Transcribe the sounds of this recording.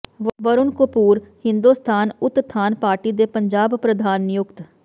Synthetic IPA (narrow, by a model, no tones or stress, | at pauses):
ʋəɾʊnkʊpuːɾhɪnd̪uːst̪ʰaːnʊt̪t̪ʰːaːnpaːɾʈiːd̪eːpəɲd͡ʒaːbpɾəd̪ʱaːnjʊkt̪